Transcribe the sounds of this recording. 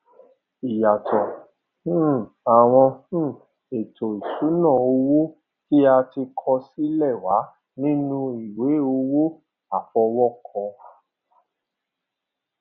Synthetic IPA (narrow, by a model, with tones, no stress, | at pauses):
i˨ja˨tʰɔ̃˨˦ | a˨w̃ɔ̃˧˦˨ | e˨tʰo˨i˨su˨˦nã˦˨o˧wo˦ | ki˦a˧ti˧kʰɔ˧si˦lɛ˦˨wa˨˦ | nĩ˦nũ˧i˨we˨˦o˧wo˦ | a˨fɔ˧wɔ˦kʰɔ̃˧